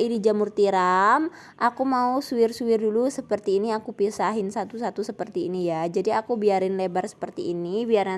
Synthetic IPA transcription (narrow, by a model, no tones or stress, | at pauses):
idid͡ʒamurt̪iɾam | ʔakumausuɪrsuɪrdulusəpərt̪iːniakupisaɦɪnsat̪usat̪usəpərt̪iːnijad͡ʒadiakubiaɾɪnlebarsə̥pərt̪iːnibiaɾa